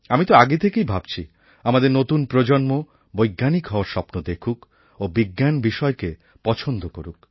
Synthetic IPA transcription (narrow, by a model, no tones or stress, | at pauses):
amit̪oaɡet̪ʰekejbʱab̚t͡ɕʰi | amad̪eɾnot̪unpɾod͡ʑonmo | bojɡːanikɦɔoaɾʃɔpnod̪ekʰuk | obiɡːanbiʃɔeke | pɔt͡ɕʰond̪okoɾuk̚